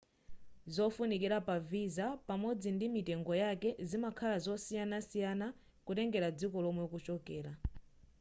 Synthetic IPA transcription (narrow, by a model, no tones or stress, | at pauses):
zɔfunikiɾapavizapamɔd͡zindimitɛŋɡɔjakɛzimakʰalazɔsijanasijana | kutɛŋɡɛɾad͡zikɔlɔmwɛɔkut͡ʃɔkɛːla